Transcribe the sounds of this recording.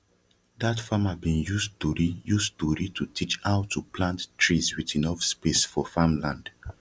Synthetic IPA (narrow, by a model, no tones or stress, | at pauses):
datfamabĩnjustuɹijustuɹitʰutʰit͡ʃaʊtʰuplãnttɹiswitĩnɔfspesfɔfamlãnd̥